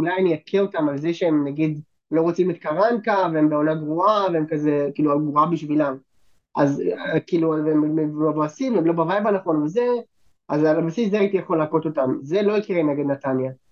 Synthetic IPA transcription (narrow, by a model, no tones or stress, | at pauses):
ulajniakʰeo̞tamalzeʃeemnaɡid̪ | lo̞ʁot͡simet̪kaʁankaveembeo̞naɡʁuaveemkazekiːluaɡvuabiʃvilam | ʔa̰zkiːluvemvavoasimveemlobavajbanaχo̞nveze | ʔazalabasis̬zeait̪ijaχolaːko̞t̪o̞tamze̞lo̞ikiʁeneɡed̪nat̪anja